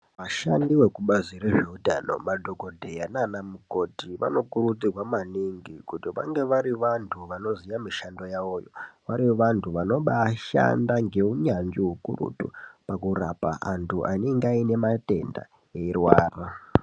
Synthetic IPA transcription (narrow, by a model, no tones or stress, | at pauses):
ʋaʃandiwe̞kuɓaziɾeʐeuta̰no̰madʱoko̞dʱejananamuko̞tiʋa̰no̞kuɾut͡sirwamaniŋɡikutiʋa̰ŋɡe̞ʋaɾiʋantʰuʋano̞zijamiʃando̞jaʋoːjo̰ʋaɾiʋantʰuʋano̞ɓaʃa̰ndaŋɡe̞uɲand͡ʒiɦukṵrṵtṵpakurapaʔantʰuʔaneŋɡaine̞mate̞̰nda̰ | eirwaːra